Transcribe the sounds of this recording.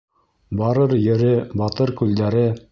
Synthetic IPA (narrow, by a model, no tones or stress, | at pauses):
bɑɾɤɾjɘ̆ɾɘbɑt̪ɤɾkʉld̪æɾɘ